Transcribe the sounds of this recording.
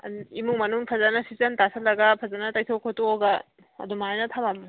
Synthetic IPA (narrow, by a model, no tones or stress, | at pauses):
imuŋmɐnuŋpʰɐzanɐsizɐntasʰɐtlɐɡɐpʰɐzanɐtɐjtʰokʰotooɡɐ | ɐ̰dumajnɐtʰɐmamɐ